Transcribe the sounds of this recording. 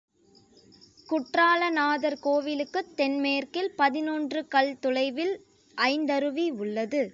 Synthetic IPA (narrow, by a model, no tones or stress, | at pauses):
kʊʈraːlɐnaːðɐɾkoːʋɪlɯkːɯt̪ːɛnmejɐɾkɪlpɐðɪnondrɯkɐɭt̪ʊlɐɪʋɪl | ʔɐɪnd̪ɐɾɯʋiʊɭːɐðɯ